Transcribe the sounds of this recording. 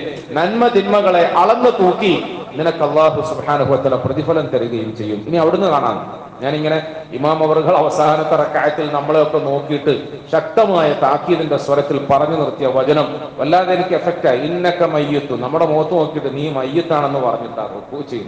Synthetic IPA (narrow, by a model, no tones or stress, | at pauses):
nɐnmɐd̪ʱinmɐɣɐɭe̞ʔɐɭɐnːɨt̪uːkːinːinɐkːɐlːaːɦusubħaːnɐɦuʋɐt̪aːlaprɐðifɐlɐmt̪ɐɾiɣɐjumt͡ɕe̞jːuminiɐʋiɽenːɨkaːɳa̰ːnː | ɲaːniŋːɐne̞ | imaːmɐʋɐrɣɐɭɐʋɐsaːnɐt̪ːɐrɐkaːɐt̪ːilnɐmːɐɭejokːeno̞ːkːijiʈːɨɕɐk̚t̪ɐmaːjɐt̪aːkiːðinde̞sʋɐɾɐt̪ːilpɐrɐɲːunirt̪ːijɐʋɐd͡ʑɐnɐm | ʋɐlːaːðɐjenikʲːɨefek̚taːjiinːɐkːɐmɐjːut̪ːunɐmːuɽe̞moːt̪ːɐno̞ːkːijiʈːɨniːmɐjːut̪ːaːɳe̞nːɨpɐrɐɲːut̪ːa̰o̰uːt͡ɕːejunː